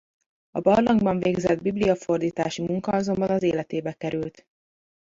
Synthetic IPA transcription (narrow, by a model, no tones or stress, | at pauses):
ɒbɒrlɒŋɡbɒɱveːɡzɛd̪̚biblijɒfo̞rd̪iːt̪aːʃimuŋkɒɒzo̞mbɒnɒzeːlɛt̪eːbɛkɛɾylt̪